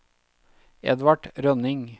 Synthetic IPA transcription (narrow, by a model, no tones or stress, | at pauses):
ɛ̰d̪ʋɑʈɾœnɪŋ